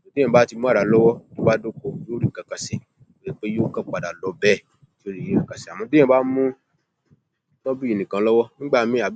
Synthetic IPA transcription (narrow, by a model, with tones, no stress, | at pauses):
mɔ̃˧dẽ˦ã˧ba˨˦ti˧mũ˦a˦˨ɾa˨˦lɔ˦wɔ˦ti˦ba˦do˦ko˦˨i˦o˦ɾi˦˨kã˨ka˨se˨ | o˦ji˦k͡pe˦jo˦kã˦k͡pa˨da˨lɔ˨˦bɛ˦˨ | to˦ɾi˦˨ĩ˦kã˨ka˨si˨a˨m̃ɔ̃˧dẽ˦ã˦ba˦mũ˦ | tɔ˦bi˦i˨nĩ˨kã˧˦lɔ˦wɔ˦nĩ˦ɡ͡ba˦˨mĩ˧˦a˨